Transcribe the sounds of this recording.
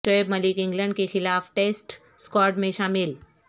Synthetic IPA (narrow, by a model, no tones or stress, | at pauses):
ʈəːbmɐlɪkɪ̃ŋɡlə̃ɳɖkexɪlaːfʈeːsʈ | skɔːɾʈmẽʃaːmɪl